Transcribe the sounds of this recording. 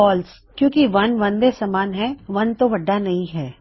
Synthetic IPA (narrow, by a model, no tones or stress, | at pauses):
ɔːls | kjõːkiʋɐnʋɐ̃nd̪esɐmaːnɦɛ̃ʋɐnt̪oʋɐɖːanɐɦĩɦɛː